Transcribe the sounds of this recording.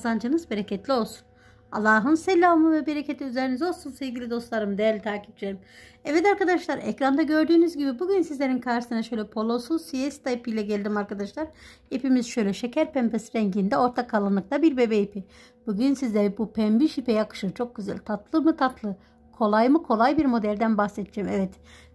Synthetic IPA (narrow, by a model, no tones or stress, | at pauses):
zand͡ʒɯnɯzbeɾecʰɛt̪lʲio̞lˠsu̥n | a̰lˠːaːɦɯnselʲːaːmɯvɛbeɾecʰet̪ʰʲiyzeɾinizo̞lˠsunsevɟilʲid̪o̞st̪lˠaɾɯmd̪ejɛɾlʲit̪ʰaːci̥p̚t͡ʃieɾimɛvɛd̪aɾkad̪aʃlˠaɾɛcɾand̪aɟø̞ɾd̪yːnyzɟibibuɟynsizlʲe̞ɾinkʰaɾʃɯ̥sɯnaʃø̞jlʲɛpʰo̞lˠo̞susijɛsi̥t̪ajipijlʲɛɟelʲd̪imaɾkʰad̪aʃlˠaɾ | epimiz̥ʃø̞jlʲɛʃecʰæɾpɛmpʰesiɾɛɲɟind̪ɛo̞ɾt̪ʰakʰalˠɯnːˠɯk̚t̪abiɾbe̞bɛipʰi | b̥uɟynsizlʲeɛbupʰɛmbiʃipɛjakɯ̥ʃɯt͡ʃʰo̞k̚ɟyzæ̰lʲt̪ʰat̪lˠɯmɯt̪ʰat̪lˠɯ | kʰo̞lˠajmɯkʰo̞lˠajbiɾmo̞d̪ælʲd̪ænbaxset̪ʰd͡ʒɛmɛvɛt̪